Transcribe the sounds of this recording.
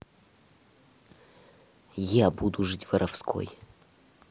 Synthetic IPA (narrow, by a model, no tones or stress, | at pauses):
jabud̪ʊʐɨtʲvɐɾʔɐfskʰo̰j